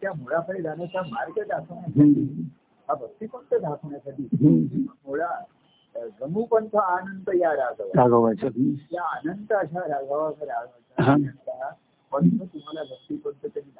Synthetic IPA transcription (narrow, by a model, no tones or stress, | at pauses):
t̪jamoɭapəɭed̪anət͡ɕamaɾɡəd̪ʱakʰɳjasɦat̪ʰiː | ɦabʱək̚t̪ikoɳt̪əd̪ʱakʰɳjasaʈ̪iːɦməmoɭa | ɡəmupənt̪ʰəanənt̪əjaɾaɡʱəʋaɾaɡəbasajaːnənt̪əəɕaɾaɡʱəʋakaɾaɡʱʋataɦãnənt̪aa | pənt̪ʰət̪um̤alabʱək̚t̪ikont̪ət̪əni